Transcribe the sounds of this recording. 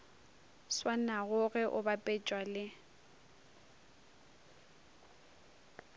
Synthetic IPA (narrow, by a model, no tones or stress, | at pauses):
swanaɣʊɣɛʔʊbapʼɛt͡ʃʼwalɪ